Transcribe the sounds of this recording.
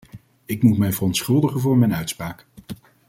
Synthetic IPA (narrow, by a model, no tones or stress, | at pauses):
ɪkmutmɛjvərɔntsχɵlˠdəχənvʊːɹmɛjnœɥtspraːk